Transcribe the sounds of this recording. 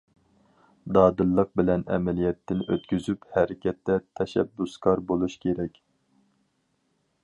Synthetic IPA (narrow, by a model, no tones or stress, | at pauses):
d̪ɑːd̪ɨlˠːəq̚bɪlɛnɛ̰mɛlijɛt̪ːɪnʔøt̪kʲyzyphɛɾɪkʲɛt̪ːɛt̪ʰɛʃɛ̰bːuskʰɑɾbolˠuʃkʲʰeɾɛkʲ